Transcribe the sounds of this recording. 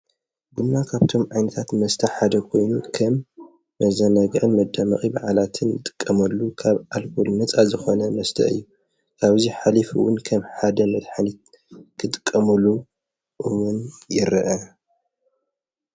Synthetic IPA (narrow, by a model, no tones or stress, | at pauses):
bunːakʰaβt̪ʰo̞mʕajnɐt̪ʰat̪mɐst̪ʰɐħad̪ɐkʰo̞jnukʰɐmː | ɐzɐnɐɡʕɨnmɐd̪ːɐmɐ̰χʼibaʕalat̪ʰɨnɨt̪ʼɨ̥kʼːɐmɐlːukʰaβalkʰulnɨt͡sʼazɨxo̞nɐmɐst̪ʰɐ̰ʔɨ̰jːu | kʰaβziħalifɨwʊnkʰɐmħad̪ɐmɐd̪ħalit̪ | kʰɨt̪ʼɨkʼːɐmɨlu | ʔɨwʊnjɪɾʔɐ